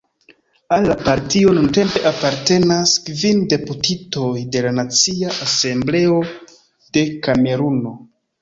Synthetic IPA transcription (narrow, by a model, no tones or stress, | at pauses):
alːapaɾtio̞nunte̞mpe̞ʔapaɾte̞naskvinde̞putito̞jde̞lanat͡siaʔase̞mble̞o̞ | d̥e̞kame̞ɾuno̞